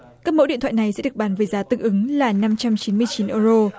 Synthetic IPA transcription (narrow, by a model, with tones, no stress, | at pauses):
kaː˦˥k̚mo̰˧˥ɗḭ˧˨nt̪ʰa̰ː˧˨jna˨˩jsɛ̰˧˥ɗək̚ɓaː˨˦nvəː˨˦jzaː˨˦t̪ɨ˨˩ŋʔɨ˨˦ŋlaː˨˩na˧mt͡ɕa˧mt͡ɕi˨˦nmɨ˧əjt͡ɕi˨˦nʔə˧zo˧